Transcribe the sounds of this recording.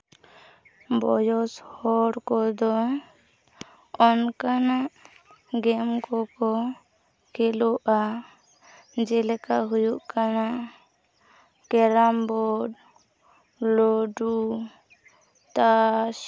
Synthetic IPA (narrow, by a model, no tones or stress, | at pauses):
bɔ̰jɔshɔɽkɔd̪ɔ | ɔnkanaʔ | ɡɛmkɔkɔ | kɛlɔʔa | d͡ʒɛlɛkaɦujuʔkanaʔ | kɛɾambɔɖ | loɖu | t̪a